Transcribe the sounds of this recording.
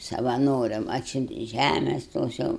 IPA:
sɐʋɐˈnoːrʲɛm ˈɑːtʲsʲʊnʲtʲeː ˈʒʲæmʲɛs ˈtoːs jɛʊ

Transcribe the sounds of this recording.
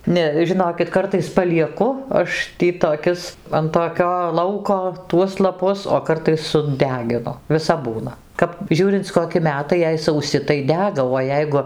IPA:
ˈnʲɛ ʒʲɪˈnoːkʲɪt ˈkɐrtɐɪs pɐlʲiɛˈkʊ ˈɐʃ ˈtʲiː toːˈkʲɪs ɐn toːˈkʲoː ˈlˠɐʊkoː tuɔs lˠɐˈpʊs oː ˈkɐrtɐɪs sʊˈdʲæːɡʲɪnʊ ʋʲɪˈsɐp ˈbuːnɐ ˈkɐp ˈʒʲuːrʲɪnt͡s koːˈkʲɪ ˈmʲæːtɐɪ jɛɪ sɐʊˈsʲɪ tɐɪ ˈdʲæːɡɐ oː ˈjɛɪɡʊ

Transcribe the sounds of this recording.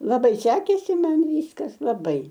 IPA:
lˠɐˈbɐɪ ˈsʲæːkʲeːsʲɪ ˈmɐn ˈʋʲiːskɐs lˠɐˈbɐɪ

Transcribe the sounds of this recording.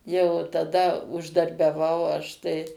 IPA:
jɛʊ tɐˈdɐ ʊʒdɐrʲbʲɛˈʋɐʊ ˈɐʃ tɐɪ

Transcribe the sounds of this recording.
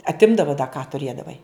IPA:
ɐtʲˈɪmdɐʋɐ dɐ kɑː tʊˈrʲeːdɐʋɐɪ

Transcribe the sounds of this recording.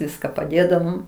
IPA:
ˈʋʲɪskɐ pɐˈdʲeːdɐʋoːm

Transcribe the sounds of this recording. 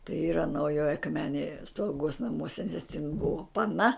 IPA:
tɐɪ ˈiːrɐ nɐʊˈjoːj ɐkˈmʲæːnʲeːj slˠɐʊˈɡoːs nɐˈmuɔsʲɛ nʲɛs jɪn ˈbʊʋoː pɐˈnɐ

